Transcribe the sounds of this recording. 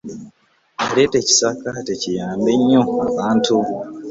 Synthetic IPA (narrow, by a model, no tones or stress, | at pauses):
eɾete̞ci̥sakate̞cijaːmbe̞ɲːo̞aβaːntʰu